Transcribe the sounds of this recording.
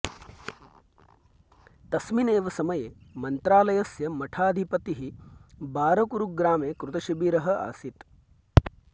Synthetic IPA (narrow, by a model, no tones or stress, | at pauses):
t̪ɐsmineːʋɐsɐmɐjeːmɐnt̪ɾaːlɐjɐsjɐmɐʈʰaːd̪ʱipɐt̪iɦibaːɾɐkuɾuk̚ɡɾaːmeːkɾut̪ɐʃɐbiːɾɐɦɐa̰ːsit̪